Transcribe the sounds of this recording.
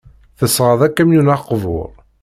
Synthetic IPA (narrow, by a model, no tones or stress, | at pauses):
θəsʁəðˤækːæmjunaqːvʊ̰ɾˤ